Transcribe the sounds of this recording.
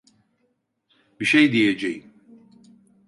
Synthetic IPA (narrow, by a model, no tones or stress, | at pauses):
biʃejd̪ijed͡ʒejim